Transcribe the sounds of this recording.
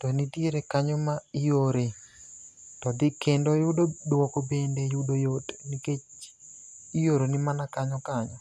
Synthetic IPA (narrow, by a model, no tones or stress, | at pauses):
tɔnitjeɾekaɲɔmaijoɾe | tɔdɪkendojʊdodwɔkobendejʊdojotniket͡ʃ | ijoɾonɪmanakaɲɔkaɲɔ